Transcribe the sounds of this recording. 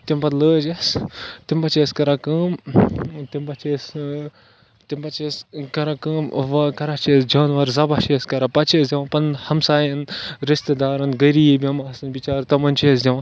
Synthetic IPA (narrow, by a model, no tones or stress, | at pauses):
t̪impɐt̪ləːd͡ʒest̪imbɐt͡ʃʰeːskɐɾakɨːm | t̪imbɐt͡ʃʰes | t̪impɐt͡ʃeskɐɾakɨːmʋɐkɐɾat͡ʃʰeːsd͡ʒɐːnʋɐɾzɐbat͡ʃeːskɐɾapɐt͡ʃʰeːsd̪ʲɐʋãpɐnhɐmsaːjɐnɾist̪ed̪aːɾɨnɡɐɾiːbjɐmaːsɨnbit͡ʃaːɾt̪ɐmɐnt͡ʃʰeːs̬d̪ʲɐʋã